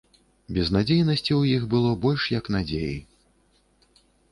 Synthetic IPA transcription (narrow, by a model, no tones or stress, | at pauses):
bʲɛznad͡zʲejnɐsʲt͡sʲiwjixbɨlˠɔbɔlʲʂjɐknad͡zʲejḭ